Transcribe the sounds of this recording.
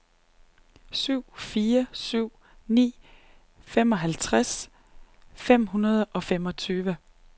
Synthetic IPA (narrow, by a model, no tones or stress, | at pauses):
syʊ̰fiːɐsyʊ̰ | nḭː | femɒ̽ɦælt͡sʰʁas | fem̰ɦunɐð̞ˠɒ̽fem̰ɒ̽t͡sʰyːʋə